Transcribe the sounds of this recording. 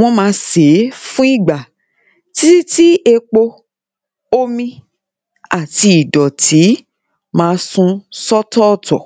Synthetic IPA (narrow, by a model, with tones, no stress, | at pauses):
w̃ɔ̃˧mãː˧se˨˦fũ˦i˦˨ɡ͡ba˨ | ti˦ti˦e˧k͡po˧ | o˦mĩ˧ | a˨ti˧i˨dɔ˨tʰi˨˦ | mãː˧sũ˧sɔ˦tɔ˦˨tɔ˨